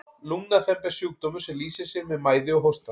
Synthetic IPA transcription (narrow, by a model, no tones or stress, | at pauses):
luŋnaθɛmpɛ̥sjuwk̚t̪ɔmʏ̥sɛliːsɪsɛɾmɛðmaːjðɪɔɦɔst̪a